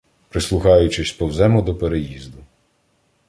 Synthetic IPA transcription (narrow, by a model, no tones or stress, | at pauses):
pɾɪslˠʊxɑjʊt͡ʃɪsʲpɔwzɛmɔd̪ɔpeɾejizd̪ʊ